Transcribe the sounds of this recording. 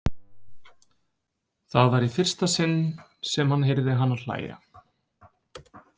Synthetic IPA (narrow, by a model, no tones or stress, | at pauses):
θaðvaɾifɪr̥st̪asɪnːsɛmhanɦejɾðɪɦanːaðl̥a̰ːja̰